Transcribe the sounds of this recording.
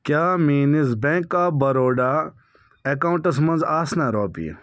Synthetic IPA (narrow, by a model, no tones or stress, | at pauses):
kʲjaːmiːnisbẽːŋkːaːbɐɾoːɖaː | ekaũɳʈɐsmɐ̃nzaːsnaːɾoːpḭ